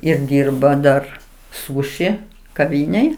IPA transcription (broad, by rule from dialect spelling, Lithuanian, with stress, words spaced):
ɪr ˈdʲiːrbɐ ˈdɐr ˈsuːʃʲɪ kɐˈʋʲiːnʲeːj